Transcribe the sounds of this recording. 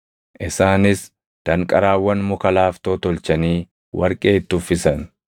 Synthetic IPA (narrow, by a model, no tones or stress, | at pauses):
ʔɪsaːnɪs | d̪̥ɐŋkʼɐɾaːwːɐnmʊkɐlaːft̪oːt̪ɔlt͡ʃɐniː | wʔɐ̰ɾkʼe̞ːt̪ːʊfːɪsɐn